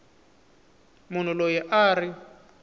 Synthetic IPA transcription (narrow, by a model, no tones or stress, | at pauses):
mun̤ulojɛʔaːri